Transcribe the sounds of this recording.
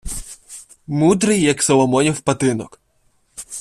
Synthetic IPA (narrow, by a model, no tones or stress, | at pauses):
mud̪ɾɨjːɐksɔlˠɔmɔnʲiwpɐt̪ɪnɔk